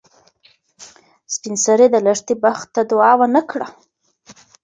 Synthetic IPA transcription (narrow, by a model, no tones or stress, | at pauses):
spɪnsaɾed̪əlaʂt̪ibaxt̪ːad̪ʊɑwanakɽa